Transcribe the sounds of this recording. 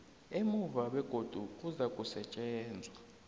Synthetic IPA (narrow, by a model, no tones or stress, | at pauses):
emuvaɓɛɡ̥ʱod̥ʱuk̬ʼuzakʼusɛt͡ʃʼɛːnd͡zʱaa